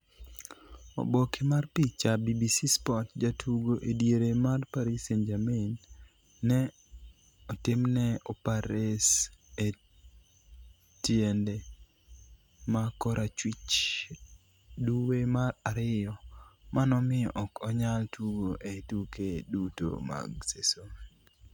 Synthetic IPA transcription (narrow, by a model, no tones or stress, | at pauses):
ɔ̰bokemarpit͡ʃːabibisispɔtd͡ʒatʰuɡoʔedjeɾemarpaɾisend͡ʒaminː | ɛ | ɔtɪmnɛɔpaɾese | tjende | makɔɾʔat͡ʃwit͡ʃ | duwemaraɾɪɔmanɔmɪɔ̰ʔɔkɔɲaltʰuɡoʔetukeduto̰ma̰ɡseso